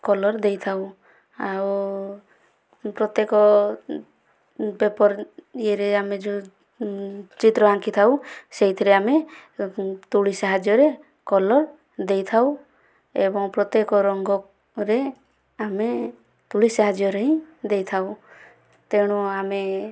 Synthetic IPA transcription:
kɔlɔɾd̪ejt̪ʰaw | aw | pɾɔt̪ekɔ | bepɔɾeɾeamed͡ʒu | t͡ʃit̪ɾɔaŋkit̪ʰawseɦit̪ʰiɾeame | t̪uɭisaɦad͡ʒjɔɾe | kɔlɔɾ | d̪ejt̪ʰaw | ebɔŋpɾɔt̪jekɔɾɔŋɡɔ | ɾe | ame | t̪uɭisaɦad͡ʒjɔɾeɦĩd̪ejt̪ʰaw | t̪eɽ̃uame

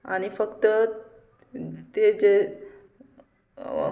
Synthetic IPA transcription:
a̰ñifəkt̪ə | t̪ed͡ze

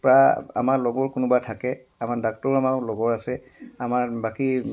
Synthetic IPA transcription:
pɹaa̰maɹlɔɡɔɹkʊnʊbatʰakɛ | amaɹdak̚tɔɹamalɔɡɔɹasɛ | amaɹbaki

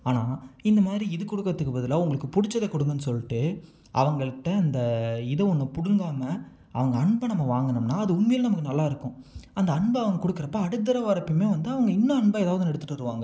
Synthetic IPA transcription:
aːnaːɪnd̪ɐmaːðɪɾiɪðɯkʊɽɯkːɐt̪ːɯkːɯbɐðɯlaːʊŋɡɐɭɯkːɯpʊɽɪt͡ʃːɐðekʊɽɯŋɡɐnːɯsɔlːɪʈːɯ | ʔɐ̰ʋɐŋɡɐɭɯʈːɐɐnd̪ɐɪðɐʊŋɡɐpʊɽɯŋɡaːmɐ | ɐʋɐŋɡɐɐɳbɐnɐmːɐʋaːŋɡɐɳɯmnaːɐðɯʊnmejlɐnɐmɐkːɯnɐlːaːɪɾɯkːʊ̃ɐnd̪ɐɐɳbɐɐʋɐŋɡɐkʊɽɯkːɪɾɐpːaɐɽɯt̪̬ːɐɾɐʋaːɾɐpːɯmeːʋɐnd̪ɯɐʋɐŋɡɐɪnːɐ̃ɐɳbɐɛːðaːʋɐðɯnɛɽɯt̪ːɯʈːɐɾɯʋaːŋɡɐ

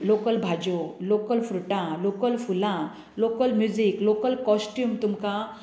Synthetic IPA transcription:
lokəlbʱad͡ʑolokəlfɾuʈãlokəlfulã | lokəlmjud͡ziklokəlkɔsʈjuːmt̪umka

